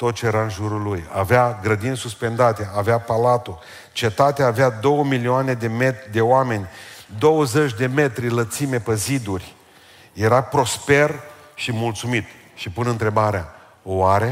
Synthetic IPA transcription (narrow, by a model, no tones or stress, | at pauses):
t̪o̞t̪̚t͡ʃejeɾaɨnʒuɾulːuja̰veaɡɾəd̪inʲsuspe̞nd̪at̪e̞aveapalat̪u | t͡ʃe̞t̪at̪eaːvead̪o̞wəmilioane̞d̪emed̪e̞oame̞nʲd̪o̞wəzet͡ʃʲd̪e̞me̞t̪ɾilət̪sime̞pezid̪urʲ | je̞ɾapɾo̞spe̞r | ʃimult̪sumit̪ | ʃipunɨnt̪ɾe̞baɾea | owaɾe̞